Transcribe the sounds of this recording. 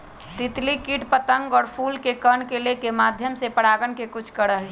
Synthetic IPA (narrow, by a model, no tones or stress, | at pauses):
t̪ɪt̪likiʈpət̪əŋɡɔːɾpʰuːlkekənkelekemaːd̪ʱjəmsepəɽaːɡənkekʊt͡ʃʰkəɾəɦl